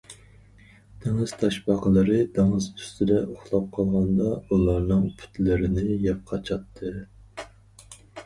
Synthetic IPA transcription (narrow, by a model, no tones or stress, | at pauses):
d̪̥eŋɨz̥t̪ʰɑʃbɑqəlˠɨɾɨd̪eŋɨzy̥st̪ʰɪd̪ɛʔoχlˠɑp̚qʰɑlˠʁɑnd̪ɑulˠɑɾnɨŋpʰy̥t̪ʰlɪɾɪnɪjɛp̚qʰɑt͡ʃʰɑt̪ʰːɨ